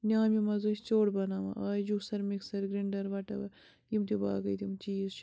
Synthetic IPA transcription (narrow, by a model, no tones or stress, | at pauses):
nʲaːmimɐzosʲt͡ʃoːɽbɐnaːma̰ʔaːd͡ʒusɐɾmiksɐɾɡɾiɳɖɐɾʋɐʈɐbɐ | jimt̪iba̰ːɡɐjt̪imt͡ʃiːzt͡ʃ